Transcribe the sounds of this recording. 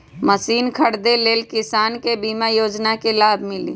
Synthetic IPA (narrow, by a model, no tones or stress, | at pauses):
məsiːnkʰəɽd̪eleːlkɪsaːnkebiːmajoːd͡ʒnakelaːbʱmɪlḭː